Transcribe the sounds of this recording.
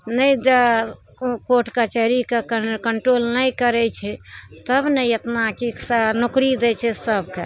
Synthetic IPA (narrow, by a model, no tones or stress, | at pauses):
nəjd͡ʒe | koʈkat͡ʃəɾikekəkəɳʈɾolnəjkəɾɛt͡ʃʰɛt̪əbnəjət̪nakiksanokɾid̪ɛt͡ʃʰɛsəbke